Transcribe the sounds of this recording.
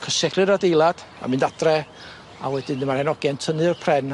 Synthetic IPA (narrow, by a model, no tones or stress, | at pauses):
kʰəsɛɡʰrɨɾadejlˠad̥ | a̰mɨndad̥rɛ | a̰wɛdɨnəmarhɛnɔɡjɛntʰənɨrpʰrɛn